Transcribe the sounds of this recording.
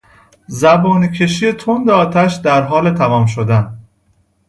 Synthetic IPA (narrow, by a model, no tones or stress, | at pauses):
zæbɒːnicʰe̞ʃiːje̞t̪ʰond̪eɒːt̪ʰæʃd̪æɾɦɒːle̞t̪ʰæmɒːmʃod̪æn